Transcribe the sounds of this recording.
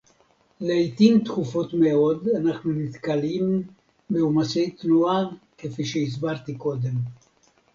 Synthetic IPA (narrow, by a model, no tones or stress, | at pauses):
leajt̪imt̪χufo̞t̪meo̞d̪anaχnunit̪kalim | beumasejt̪nuake̞fiʃeis̬baʁt̪iko̞d̪e̞m